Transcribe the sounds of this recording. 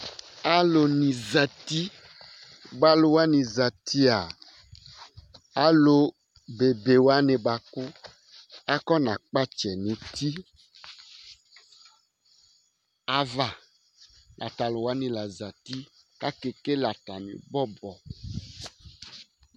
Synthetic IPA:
a˦lo˨nĩ˨za˨ti˦ | ɡ͡ba˦lo˨wa˦nĩ˨za˨t̪i˦a˨ | a˦lo˨ | be˨be˨wa˦ne˨ba˨kʊ˦ | a˦kɔ˦nã˨k͡pa˦t͡ʃɛ˨nĩ˨˦t̪i˦ | a˦va˨ | lʔa̰˨ta˨lʊ˨wa˦nĩ˨la˨za˨t̪i˦ | ka˦ke˨ke˦la˨ta˨nḭ̃˨bɔ˦bɔ˨

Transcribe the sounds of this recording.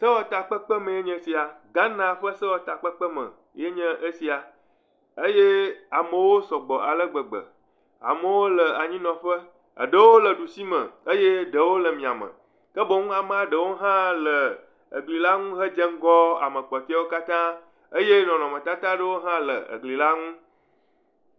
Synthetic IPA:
sə˦wɔ˦t̪a˨k͡pə˦k͡pə˦mə̃˨je˦ɲɛ̃˦si˨a˨ɡa˦nã˨ɸə˦sə˦wɔ˨t̪a˨k͡pə˦k͡pə˦mə̰̃˨ | je˦ɲə̃˦ʔə˦si˨a˨ | ə˦je˦a˨mə˨wo˦sɔ˨ɡ͡bɔ˨ʔa˨lə˦ɡ͡bə˨ɡ͡bə̰˨ | a̰˨mə˨wo˦lə˨a˨ɲĩ˦nɔ̃˨ɸə˦ | ə̰˨ɖə˦wo˦lə˨ɖu˨si˦mə̰̃˨ə˦je˦ɖə˨wo˦lə˨mĩ˨a˨mə̰̃˨ | kə˦bo˨ŋũ˦a˨mə˦a˨ɖə˨wo˦ɦã˦lə˨ | ə̰˨ɡli˨la˦ŋũ˦ɦə˦d͡ʒə˦ŋ̩˦ɡɔ˦a̰˨mə̃˨k͡pɔ˨t̪i˦a˦wo˦ka˦t̪ã˦ | ə˦je˦nɔ̃˨nɔ̃˨mə̃˨t̪a˦t̪ã˦ɖə˦wo˦ɦã˦lə̰˨ə̰˨ɡli˨la˦ŋũ˦

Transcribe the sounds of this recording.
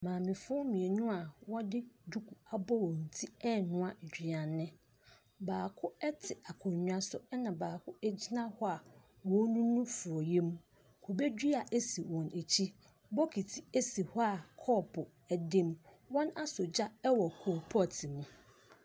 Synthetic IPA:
mãː˨mɪ̃˨fʊ˦ɔ˦mĩ˨e˨nʊ̃˦a˨wɔ̃˦dɪ˦du˦kʰu˨a˨bɔ˦wɔ̃˨n̩˨tʰi˦ɛ˦nʊ̃˦a˨d͡ʑᶣi˨ã˨nːɪ̃˦ | baː˨kʰʊ˦ɛ˦tʰɪ˨a˨kʰʊ̃˨ɲɲᶣ˦a˨sʊ̰˨ɛ˦nã˨baː˨kʰʊ˦æ˦d͡ʑi˦nã˦hɔ˦a˨ | wɔ̃˦nũ˦nũ˦fʊ˨ɔ˨je˦mũ˦ | kʰo˨be˦dᶣi˦a˨ʔe˦si˨wɔ̃˨ne˨t͡ɕʰi˦ | bɔ˦kʰi˨tʰi˨e˦si˨hɔ˦a˨kʰɔː˦˨pʰʊ˨ | ɛ˨dɪ˦m | wɔ̃˦na˦sʊ˨d͡ʑa˦ɛ˦wɔ˨kʰʊ˨ɔ˨pʰɔ˦˨tʰɪ˨mũ˦

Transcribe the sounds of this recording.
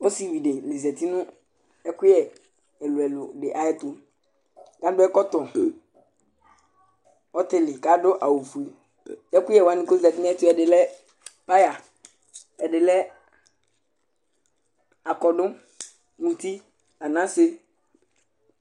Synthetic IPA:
wo˦si˦˨wi˨ɖɪ˨lɪ˨zɛ˨t̪i˦nʊ̃˦ | ɛ˦kʊ˦ɛ˨ | ɛ˨lʊ˨ɛ˨lʊ˨ɖɪ˨ʔa˨jɛ˦t̪ʊ˦ | ɡa˨˦dʊ˦ɛ˦kɔ˦t̪ɔ˨ | ɔ˦t̪ɪ˦˨lɪ˨ka˨˦dʊ˦ʔa˨wo˨fu˨e˨ | ɛ˦kʊ˦jɛ˦˨wa˦nɪ̃˦ko˦zɛ˨t̪i˦ñ˦ɛ˦t̪ʊ˦ɛ˨ɖɪ˨lɛ˦ | pa˦ja˨ | ɛ˨ɖɪ˨lɛ˦ | a˨kɔ˨ɖʊ˦ | mũ˨t̪i˦ | a˨nã˦sɪ˦

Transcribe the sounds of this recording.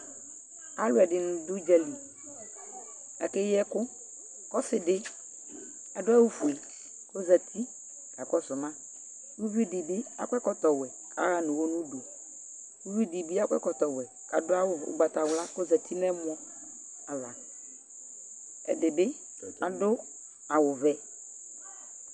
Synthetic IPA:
a˦lʊ˦ɛ˨dɪ˨nʊ̃˨dʊ˦d͡ʒɛ˦li˨ | a˨ke˦jɛ˦kʊ˦ | kɔ˦fɪ˨dɪ˦ | a˨dʊ˦a˦wʊ˦fu˨e˨ | ko˦za˨t̪ʰi˦ | ka˨kɔ˦sʊ˨mã˦ | wu˦vi˦dɪ˨bɪ˦a̰˦kʷɛ˦kɔ˦t̪ɔ˨wɛ˨ | ka̰˨˦ɣa˦nʊ̃˨wo˦nʊ̃˦do˨ | u˦vi˦di˨bi˦a˦kʷɛ̰˦kɔ˨t̪ɔ˨wɛ˨ | ka˨dʊ˦a˦wʊ˨ʊ̰˨˦ɡ͡ba˨ta˨wʊ˨la˦ko˦za˨tʰi˦nɛ˦mʊ˦ɔ˦ | a˨va˨ | ɛ̰˨dɪ˨bɪ˦ | a˨dʊ˦ | a˨wʊ˨vɛ˨

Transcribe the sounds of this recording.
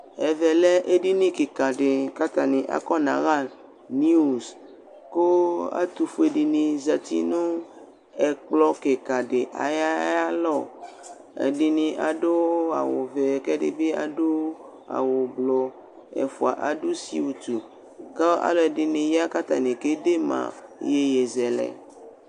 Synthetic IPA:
ɛ˨vɛ˨lɛ˦ʔe˦ɖi˦nĩ˦ke˨ka˨ɖe˨ka˦t̪a˨nĩ˨ʔa̰˦kɔ˦nã̰˨ɣa˦ | ni˦u˨s | ko˦a̰˦t̪u˨fo˦e˨ɖi˨nĩ˨za˨t̪ḭ˦nõ˦ | ɛ˨k͡plɔ˦ke˨ka˨ɖe˨ʔa̰˨ja˦a˦lɔ˦˨ | ḛ˨ɖi˨nĩ˨ʔa˨ɖo˦a̰˨wo˨vɛ˨kɛ˦ɖḛ˨be˦a˨ɖo˦ | a̰˨wo˨blɔ˨ | ɛ̰˨fu˨a˨ʔa˨ɖo˦sḭ˦wu˨t̪u˨ | ka˦a̰˦lɔ˦ɛ˨ɖe˨nĩ˨ja˦ka˦t̪a˨nĩ˨ke˦de˦mã̰˨je˦je˨zɛ˨lɛ̰˨

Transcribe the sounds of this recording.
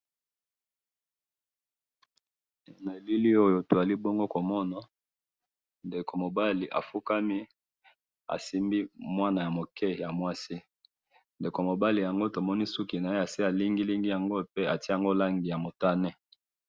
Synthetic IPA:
e˨na˨e˨li˦li˦o˦jo˨to˨a˨li˦bo˦ŋɡo˦ko˨mɔ˦na˨ | nde˨ko˨mo˨ba˦li˨ʔa̰˨fu˦ka˦mi˦ | a̰˨si˦mbi˦mwa˦na˨ja˨mo˨kɛ˦ja˨mwa˦si˦ | nde˨ko˨mo˨ba˦li˨ja˨ŋɡo˦to˨mɔ˦ni˦su˦ki˨na˨e˦a˨si˦a˨li˦ŋɡi˦li˦ŋɡi˦ja˨ŋɡo˦pe˦a˨ti˦˨ŋɡo˦la˦ŋɡi˨ja˨mo˨ta˦nɛ˦

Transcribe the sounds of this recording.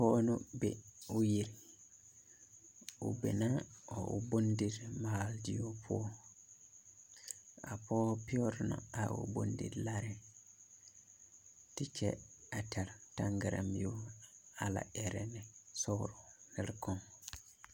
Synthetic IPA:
pɔː˦nʊ̃˦bɛ˨u˦ji˨ɾ | u˨bɛ̰˨nã˦ɔ˨ʔu˨bo˦ndi˦ɾmaː˨ldi˦jo˦pʰʊ˦ɔ˦ | a˨pɔː˦pi˦ɔ˦ɾnɔ̰̃˨a˨o̰˨bo˦ndḭ˨ɾla˦ɾɛ˨ | ti˦t͡ʃʰɛ̰˦a˨tʰa˨ɾtã˦ŋɡa˨ɾa̰˨mi˨jo˦a˨la̰˨ɛ˨ɾɛ˨nɪ˨sɔ˦ɾu˨nɛ˨lkɔ̃˨ŋ

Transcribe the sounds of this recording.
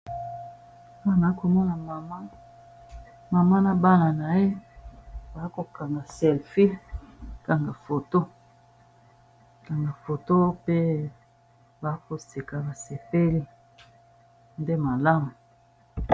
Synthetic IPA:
a˦˨na˨˦ko˨mɔ˦na˨ma˨ma˦ | ma˨ma˦na˦ba˦la˨na˨e˦ | ba˨˦ko˨ka˨ŋɡa˨sɛ˨lfi˦lka˨ŋɡa˨fo˨to˦ | ka˨ŋɡa˨fo˨to˦pe˦ | ba˨˦ko˨se˨ka˨ba˨se˨pe˦li˦ | nde˦ma˨la˦mu˨

